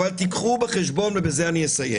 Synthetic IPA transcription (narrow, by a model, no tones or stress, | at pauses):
alt̪ikχubeχeʃbonvebezeaniəsajḛ